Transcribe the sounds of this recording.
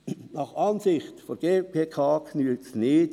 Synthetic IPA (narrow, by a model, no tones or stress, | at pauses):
nɑχɑnsɪχtfoɾɡ̥eːpʰeːkʰɑːkʰnyːt͡snɪːt